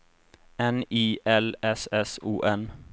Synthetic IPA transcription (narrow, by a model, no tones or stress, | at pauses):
ɛniːʔɛlɛsɛsṵːʔɛn